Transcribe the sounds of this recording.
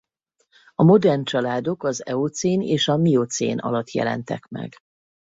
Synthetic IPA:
ɒmo̞d̪ɛrnt͡ʃɒlaːd̪o̞kɒzɛot̪seːneːʃɒmiot̪sḛːnʔɒ̰lɒt̪ːjɛ̰lɛ̰nt̪ɛ̰kmɛ̰ɡ

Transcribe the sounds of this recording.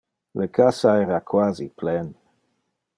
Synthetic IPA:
lekʰasaɛːɾakʰwaːziplɛn

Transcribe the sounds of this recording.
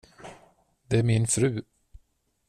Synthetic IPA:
d̪ɛæɾmɪnfɾʉ̟ː

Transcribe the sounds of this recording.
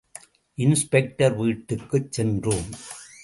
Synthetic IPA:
ʔɪnspɛk̚ʈɐɾʋiːʈːɯkːɯt͡ʃsɛndroːm

